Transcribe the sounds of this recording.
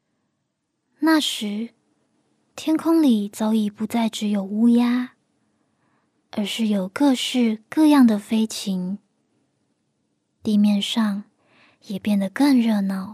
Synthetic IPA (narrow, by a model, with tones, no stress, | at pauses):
na˥˩ʂɻ̩˧˥ | t̪ʰjɛ˥nkʰʊ˥ŋli˨˩t͡sɑ˧˥ʊi˨˩pu˧˥t͡sa˥˩ɪʈ͡ʂɻ̩˧˥jo˨˩ʊu˥ja˥ | ə˧˥ʂɻ̩˥˩jo˨˩ʊkɤ˥˧ʂɻ̩˥˧kɤ˥˧jɑ˥˩ŋd̪ə˩fe˥ɪt͡ɕʰi˧˥ŋ | t̪i˥˧mjɛ˥˧nʂɑ˥˩ŋ | jɛ˨˩pjɛ˥˩nd̪ə˩kə˥˧ŋɻɤ˥˧nɑ˥˩ʊ